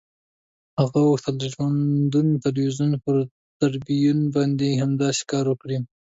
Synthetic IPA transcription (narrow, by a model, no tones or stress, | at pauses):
haɣawot̪aleʈmand̪unt̪alwizunpəɾ | t̪aɾbijunbɑnd̪ehamd̪ɑse̥kɑɾwəkɽi